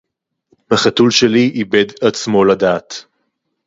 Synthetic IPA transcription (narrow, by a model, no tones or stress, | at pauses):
haχatulʃeliʔibed̪at͡smo̞ladaːt